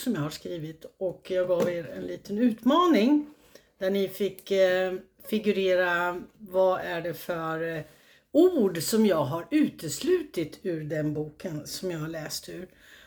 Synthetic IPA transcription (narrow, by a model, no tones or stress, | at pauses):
sɔmjahaʂkɾiːvɪt̪ɔkjɑːɡɡɑːveːɾɛ̰nliːt̪ʰənʉ̟ːt̪mɑːnɪŋ | d̪̥æɳɪfɪkː | fɪɡɵɾeːɾavaʔæɖɛfœɾ | uːɖsɔmjɑːɡɦaɾʉ̟ːt̪əslʉ̟ːt̪ɪt̪ʰʉ̟ːɾɖ̪ɛnbuːkʰənsɔmjɑhaɭɛːst̪ʉ̟ːɾ